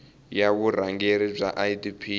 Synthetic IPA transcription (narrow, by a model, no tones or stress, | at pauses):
jaβuɾaŋɡeɾib͡ʐa̰ʔaidipʰi